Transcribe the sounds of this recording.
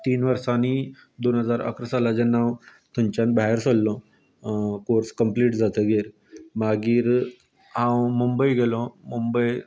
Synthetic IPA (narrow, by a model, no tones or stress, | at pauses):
t̪iːnʋəɾsani | d̪onɦəd͡zaɾə̰kɾəsalad͡ʑənːaw | t̪ʰuɲt͡ɕanbaɦeɾsolːɔ̃ | koɾskəmpliːʈd͡zat̪əɡeɾ | maɡiːɾ | ɦãwmumbəjɡʱelɔmumbəj